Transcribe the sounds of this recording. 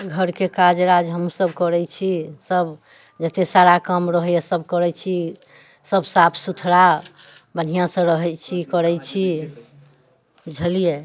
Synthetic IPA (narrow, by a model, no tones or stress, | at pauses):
ɡʱəɾkekad͡ʒɾad͡ʒɦəmsəbkəɾɛt͡ʃʰisəb | d͡ʒət̪esaɾakəmɾəɦɛesəbkəɾɛt͡ʃʰi | səbsapʰsut̪ʰɾa | bən̤ijãsə̃ɾəɦɛt͡ʃʰikəɾɛt͡ʃʰi | d͡ʒʱəlije